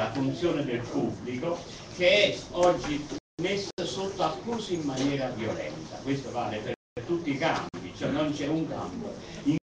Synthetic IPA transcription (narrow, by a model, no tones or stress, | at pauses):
afunt̪sjɔːned̪elpubːliko | k̟eɛɔd͡ʒːimesːsot̪ːoakːuːsiimːanjɛːɾavjolɛ̰nt̪a̰kwest̪ova̰ːlepe | ɾt̪ut̪ːika̰mpit͡ʃoɛnːont͡ʃɛuŋka̰mboi